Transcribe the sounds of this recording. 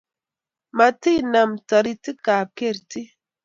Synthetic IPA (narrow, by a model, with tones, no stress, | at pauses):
ma˨ti˦˨na˨mtɔ˨ɾi˦ti˦ka˨ke˦˨ɾti˦